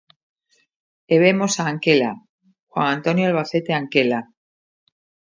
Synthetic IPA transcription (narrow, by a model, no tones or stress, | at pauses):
eβemo̞saːŋkela | xwaŋãnt̪o̞njoelβ̞aθe̞t̪e̞aŋke̞la